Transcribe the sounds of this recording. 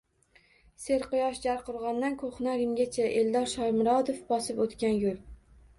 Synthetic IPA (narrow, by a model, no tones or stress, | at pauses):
se̞ɾqʊjɒʃd͡ʒaɾqʊɾʁɑnd̪ankʰoχnaɾɪmɡʲat͡ʃʰaʔeld̪ɒɾʃɒjmʊɾɒd̪ofbɒsɪpot̪kʲanjʊl